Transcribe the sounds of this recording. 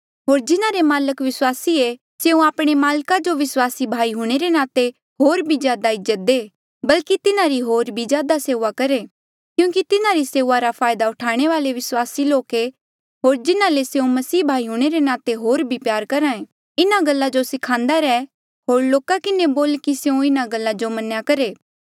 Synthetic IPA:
ɦoːɾd͡ʒɪnãɾemaːləkʋɪswaːsie | seːũaːpɽ̃emaːlkad͡ʒoʋɪswaːsibʱaːiɦuɽ̃eɾenaːt̪e | ɦoːɾbʱizjaːd̪aɪd͡ʒət̪̚d̪eː | bɐlkit̪ɪnãɾiɦoːɾbʱid͡ʒjaːd̪aseːʊːakɐɾe | kjũːkit̪ɪnãɾiseːuːaɾapʰaːjd̪aʊʈʰaːɽ̃eʋaːleʋɪswaːsiloːke | ɦoːɾd͡ʒɪnãleseũmɐsiːbʱaːiɦuɽ̃eɾenaːt̪eɦoːɾbʱipjaːɾkɐɾãːẽ | ɪnaɡɐlːad͡ʒosɪkʰãːnd̪aɾɛː | ɦoːɾloːkakɪneboːlkiseũɪnaɡɐlːad͡ʒomɐnjakɐɾeː

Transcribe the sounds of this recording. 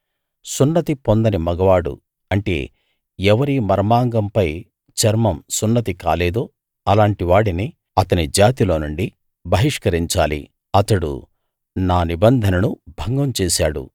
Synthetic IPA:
sunːɐt̪ipond̪ɐnimɐɡɐʋaːɽṵ | ɐɳʈe̞̰ː | ɛʋɐɾimɐɾɐmaːŋɡɐmpɐj | t͡ʃɐɾmɐmsunːɐt̪̬ika̰ːleːd̪oː | ɐlaːɳʈiʋaːɽini | ɐt̪ɐnid͡ʒaːt̪ilo̞ːnuɳɖi | bʱɐɦiʂkɐɾiɲt͡ʃaːlḭ | ɐt̪ɐɽṵ | naːnibɐnd̪ʱɐnɐnubʱɐŋɡɐmt͡ʃeːsaːɽṵ

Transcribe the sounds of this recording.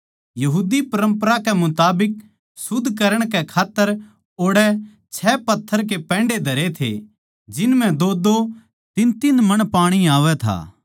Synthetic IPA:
jɐɦuːd̪ipɐɾə̃mpəɾakɛmʊt̪aːbɪk̚ | sʊd̪ʱkɐɾəɽ̃kɛkʰaːt̪ːəɾ | oːɽɛ | t͡ʃʰɛːpɐt̪ʰːəɾk̬epɛ̃ːɳɖed̪ʱɐɾet̪ʰḛ | d͡ʒɪnmɛ̃d̪oːd̪o | t̪ɪnt̪inmɐɽ̃paːɽ̃iaːʋɛt̪ʰa̰ː

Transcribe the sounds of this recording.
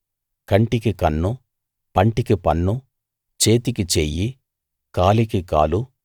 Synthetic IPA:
kɐɳʈikikɐnːu | pɐɳʈikipɐnːu | t͡ʃe̞ːt̪ikit͡ʃeːji | kaːlikika̰ːlu

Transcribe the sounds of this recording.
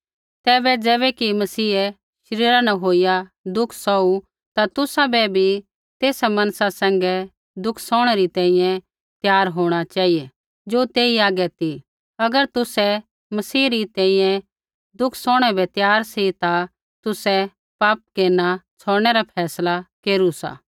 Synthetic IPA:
t̪ɛːbɛd͡ʒɛːβɛkimɐsiːɛ | ʃɐɾiːɾanɐɦoːijad̪ʊkʰsɔu | t̪at̪ʊsabɛbʱi | t̪eːsamɐ̃nsasɛ̃ːŋ̆ɡɛ | d̪ʊkʰsɔːɽ̃ɛɾit̪ɛ̃ːĩjɛ̃ | t̪jaːɾɦoːɽ̃at͡ʃaːijɛ | d͡ʒoːt̪eːiaːɡɛt̪ʰi | ɐɡəɾt̪ʊsɛ | mɐsiːɾit̪ɛ̃ːĩjɛ̃ | d̪ʊkʰsɔːɽ̃ɛbɛt̪jaːɾsit̪a | t̪ʊsɛ | paːp̚keːɾnat͡sʰoːɽ̃ɛɾapʰɛːslakeːɾusa̰ː

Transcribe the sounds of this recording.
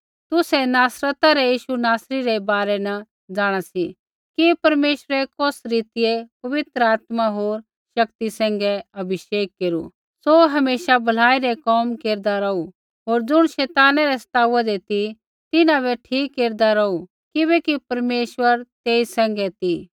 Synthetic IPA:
t̪ʊsɛnaːsɾət̪aɾɛjiːʃunaːsɾiɾɛbaːɾɛnɐ | d͡zaːɽ̃asi | kipɐɾmeːʃwəɾɛkɔsɾiːt̪ɪjepɐʋɪt̪ɾəaːt̪maɦoːɾ | ʃɐkt̪isɛ̃ːŋ̆ɡɛɐbʱɪʃeːkːeːɾṵ | soɦɐmeːʃabʱɐl̤aːiɾɛkɔːmkeːɾd̪aɾɐu | ɦoːɾd͡zʊɽ̃ʃɛːt̪aːnɛɾɛsɐ̥t̪aːuɛd̪et̪i | t̪ɪnãβɛʈʰiːkːeːɾd̪aɾɐu | kɪβɛkipɐɾmeːʃwəɾt̪eːisɛ̃ːŋ̆ɡɛt̪i

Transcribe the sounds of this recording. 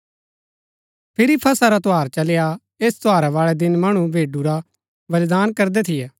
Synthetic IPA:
pʰɪɾipʰɐsaɾat̪oaːɾt͡ʃɐlja | eːst̪oaːɾaʋaːɭɛd̪ɪnmɐɽ̃ũbʱeːɖuɾa | ʋɐlɪd̪aːnkɐɾd̪ɛt̪ʰɪjɛː

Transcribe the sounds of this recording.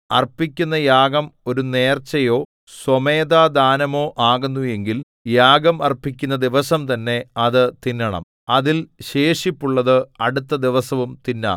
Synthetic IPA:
ɐrpikʲːun̪ːɐjaːɡɐmo̞ɾune̞ːrt͡ɕːɐjo̞ː | someːd̪aːd̪aːnɐmo̞ːʔaːɣunːuje̞ŋɡil | jaːɡɐmɐrpːikʲːunːɐd̪iʋɐsɐmt̪ɐnːe̞ɐðɨt̪inːɐɳɐ̰m | ɐðilɕeːʂipːuɭːɐðɨɐɽut̪ːɐd̪iʋɐsɐʋumt̪inːa̰ː

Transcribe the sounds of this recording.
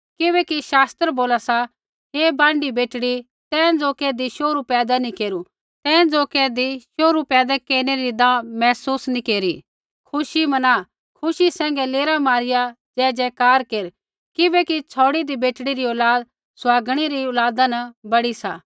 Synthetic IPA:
kɪβɛkiʃaːst̪ɾboːlasa | ɦebãːɳɖibeːʈɽi | t̪ɛ̃ːd͡zoːkɛd̪iʃoːɾupɛːd̪anikeːɾu | t̪ɛ̃ːd͡zoːkɛd̪iʃoːɾupɛːd̪akeːɾneɾid̪ãːmɛːsuːsnĩkeːɾi | kʰʊʃimɐnaː | kʰʊʃisɛ̃ːŋɡɛleːɾamaːɾɪja | d͡ʒɛːd͡ʒɛkaːɾkeːɾ | kɪbɛkit͡ʃʰɔːɽid̪ibeːʈɽiɾiɔːlaːd̪ | sʊaːɡɽ̃iɾiɔːlaːd̪ãnɐbɐɽisaː

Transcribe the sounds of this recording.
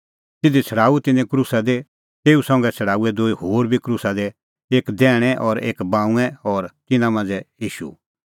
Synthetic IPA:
t̪ɪd̪it͡sʰɐɽaːut̪ɪnɛ̃kɾuːsad̪e | t̪eːusɐ̃ːŋɡɛt͡sʰɐɽaːuɛd̪oːihoːɾbʱikɾuːsad̪ɛ | eːkd̪ɛːɽ̃ɛʔɔɾeːkbãːũɛ̃ɔɾt̪ɪnãmãːnd͡zɛjiːʃṵ

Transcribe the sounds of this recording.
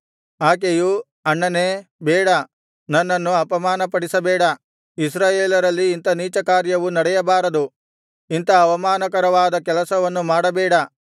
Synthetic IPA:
aːk̬eju | ɐɳːɐneːbɛːɽɐ | nɐnːɐnːuɐpɐmaːnɐpɐɽisɐbɛːɽɐ | is̬ɾaːjeːlɐɾɐlːiːnt̪ɐniːt͡ʃɐkaːɾjɐʋunɐɽɛjɐbaːɾɐd̪u | int̪ɐːʋɐmaːnɐkɐɾɐʋaːd̪ɐkɛlɐsɐʋɐnːumaːɽɐbɛːɽɐ

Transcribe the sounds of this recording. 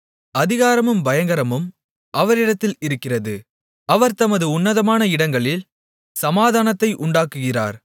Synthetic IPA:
ɐðɪɣaːɾɐmɯmbɐjɐŋɡɐɾɐmɯm | ʔɐʋɐɾɪɽɐt̪ːɪlɪɾɯkːɪrɐðɯ | ɐʋɐɾt̪ɐmɐðɯʊnːɐðɐmaːnɐɪɽɐŋɡɐɭɪl | sɐmaːðaːnɐt̪ːɐɪʔʊɳɖaːkːɯɣɪra̰ːɾ

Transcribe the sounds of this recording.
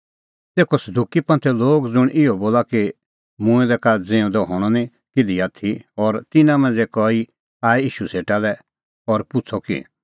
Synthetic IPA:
t̪eːkɔsɐd̪ʱukipɐ̃nt̪ʰɛloːɡd͡zʊɽ̃ʔɪɔboːlaki | mʊ̃ɛ̃d̪ɛkad͡zẽũd̪ɔɦɔɽ̃ɔnĩ | kɪd̪iat̪ʰiɔɾt̪ɪnãmɛ̃d͡zekɔi | aːɛiːʃuseːʈalɛ | ɔɾpʊt͡sʰɔkḭ

